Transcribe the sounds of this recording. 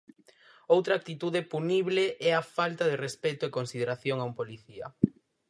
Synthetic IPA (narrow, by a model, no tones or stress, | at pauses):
owt̪ɾak̚t̪it̪uðepuniβleʔɛafalt̪aðerespɛt̪oekonsiðeɾaθjoŋaumpoliθiɐ̰